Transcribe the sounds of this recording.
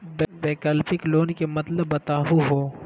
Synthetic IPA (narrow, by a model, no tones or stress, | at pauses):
bebeːkɐlfɪkloːnkemɐt̪ləbːɐt̪aːɦuɦoː